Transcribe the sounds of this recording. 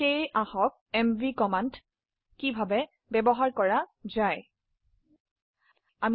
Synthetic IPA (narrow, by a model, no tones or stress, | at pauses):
ejaxɔk̚ɛmvikɔmant | kibʱabɛ | bɛbɔɦaɹkɔɹazaj | am